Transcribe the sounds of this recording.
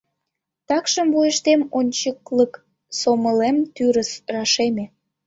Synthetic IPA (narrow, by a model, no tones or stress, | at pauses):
t̪ɑkʃəmvujəʃt̪emonʲt͡ɕəklək | soməlemt̪yɾəsrɑʃeme